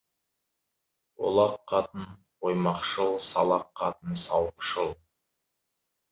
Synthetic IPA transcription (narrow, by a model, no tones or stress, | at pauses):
wo̰lˠɑqʰːɑt̪ən | wojmɑqʃəlˠsɑlˠɑqʰːɑt̪ənsɑwəqʃəlˠ